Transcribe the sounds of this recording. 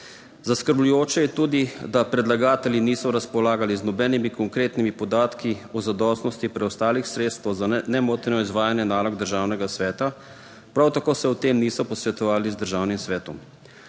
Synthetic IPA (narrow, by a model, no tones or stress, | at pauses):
zaskəɾblujoːt͡ʃɛjɛt̪uːd̪id̪apɾɛd̪laɡaːt̪ɛljiniːsɔɾaspɔlaːɡaliznɔbɛːnimikɔŋkɾeːt̪nimipɔd̪aːt̪kiuɔzad̪ɔst̪nɔst̪ipɾɛɔst̪aːlixsɾeːt̪st̪ʋɛwzanɛmoːt̪nɔizʋaːjanjɛnaːlɔɡd̪əɾʒaːwnɛɡasʋɛːt̪a | pɾawt̪akoːsɛut̪eːmniːsɔpɔsʋɛt̪ɔʋaːlizd̪əɾʒaːwnimsʋɛːt̪ɔm